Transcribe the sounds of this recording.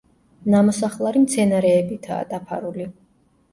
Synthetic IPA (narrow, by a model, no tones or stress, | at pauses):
namɔsaχlˠaɾimt̪sʰɛnaɾɛːbit̪ʰa̰ːd̪̥apʰa̰ɾuli